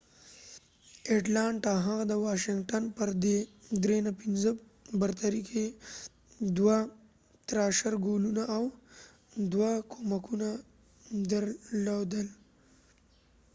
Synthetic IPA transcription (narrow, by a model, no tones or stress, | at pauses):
eʈlɑɳʈaɦaɣd̪əwɑʃɪŋɡʈanpəɾd̪ed̪ɾenapinzə | bəɾt̪aɾikʰe | d̪wa | t̪ɾɑʃaɾɡolunaʔːw | d̪wakʰomakʰuna | d̪əɾlod̪əl